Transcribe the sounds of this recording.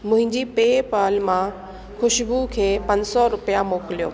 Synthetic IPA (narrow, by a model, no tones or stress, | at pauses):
mʊ̃ɦɪ̃ɲd͡ʑiːpeːpaːlmã | xʊʃbukʰeːpɐ̃ɲd͡ʑsɔɾʊpijamoːkɪlijo̰ː